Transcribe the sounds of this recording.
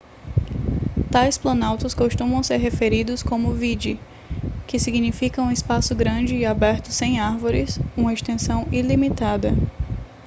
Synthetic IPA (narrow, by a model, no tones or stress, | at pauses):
t̪ajsplɐ̃nawt̪ɐskoʃt̪ũmɐ̃w̃seɾɦefeɾid̪ʊskõmʊvid͡ʒi | kɪsiɡnifikɐũɪspasʊɡɾɐ̃d͡ʒɪːabɛɾt̪ʊsẽj̃aɾvoɾɪsũmɐest̪ẽsɐ̃w̃ilimit̪ad̪ɐ̰